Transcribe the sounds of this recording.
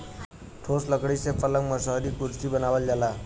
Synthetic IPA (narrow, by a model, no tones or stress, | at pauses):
ʈʰosləkɽisepələŋməsəɦɾikuɾsibənaːwəld͡ʒala